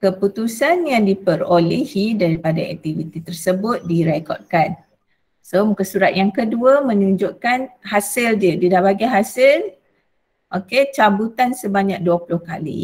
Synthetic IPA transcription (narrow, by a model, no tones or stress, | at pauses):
kəput̪usanjaŋdipərolehidaɾipadaɛ̰k̚t̪ivit̪it̪ərsəbʊt̪̚diɾekɔ̰rd̚kan | somukəsuɾat̪̚jaŋkəduəmə̃ɲuɲd͡ʒʊʔkanhasɪld͡ʒədidahbaɡiɦasɪl | ʔoket͡ʃabut̪ansəbaɲak̚duapulʊhka̰lḭ